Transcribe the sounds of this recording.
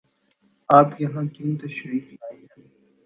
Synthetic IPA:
aːpjɐɦãːkint̪ɐʃɾiːklaːiãː

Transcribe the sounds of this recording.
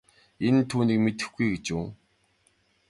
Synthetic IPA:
ent̪ʰuːniːkmet̪ɘ̥̆xɡujɡet͡ɕuː

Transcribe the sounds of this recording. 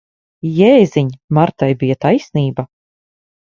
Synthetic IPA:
jɛːziɲmaɾt̪ajbijɐt̪ajsʲniːba

